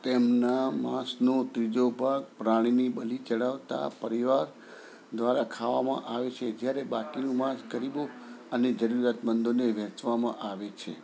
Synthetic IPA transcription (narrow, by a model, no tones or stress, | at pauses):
t̪emnamãsnot̪ɾid͡ʒobaɡpɾaɽ̃inibəlit͡ʃəɽaʋt̪a̰pəɾiʋaɾ | d̪ʋaɾakʰaʋamã̰ʔaʋet͡ʃʰed͡ʒjaɾebakinũmãskəɾiboəned͡ʒəɾuɾat̪mənd̪oneʋɛ̃t͡ʃʋamã̰ʔaʋet͡ʃʰḛ